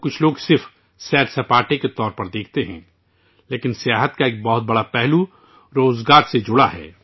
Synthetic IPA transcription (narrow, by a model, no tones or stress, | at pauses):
kʊt͡ʃʰloːɡsɪɾfʰ | sɛːʈsɐpaːʈeket̪ɔːɾpɐɾd̪eːkʰt̪eɦɛ̃ | leːkɪnsjaːɦət̪kaeːk̚bɔɦʊt̪̚bɐɽapɛɦlu | ɾoːzɡaːɾsed͡ʒʊɽaɦɛ̰ː